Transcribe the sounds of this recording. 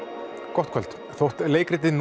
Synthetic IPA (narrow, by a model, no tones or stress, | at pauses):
kɔht̪kʰvɛlt̪ | θowht̪leːjkɾɪt̪̬ɪn